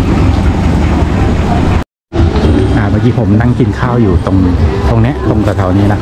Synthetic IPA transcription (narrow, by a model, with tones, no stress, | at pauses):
ʔaː˨˩baː˧ŋk̪ʰiː˧pʰo˩˦mna˥˩ŋki˧nkʰaː˥˩wjuː˨˩t̪o˧ŋt̪o˧ŋnɛ˦˥ʔt̪o˧ŋsa˧t̪ʰɔː˩˦niː˦˥na˦˥